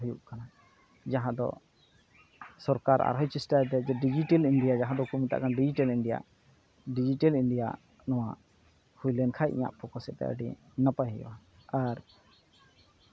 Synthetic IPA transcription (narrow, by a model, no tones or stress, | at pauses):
ɦujṵʔkana | d͡ʒaɦãd̪ɔ̰ | sɔɾkaɾa̰ɾɦɔjt͡ʃisʈat̪ɛd͡ʒɛɖid͡ʒiʈɛlinɖijad͡ʒaɦãd̪ɔkumit̪a̰ʔkanɖid͡ʒiʈɛlinɖija̰ʔ | ɖid͡ʒiʈɛlinɖija̰ʔ | nɔwa̰ʔ | hujlɛnkʰajʔḭɲa̰ʔpʰɔkɔsɛt̪ɛ̰ʔa̰ɖḭ | napaɦɛjɔ̰wa | aɾ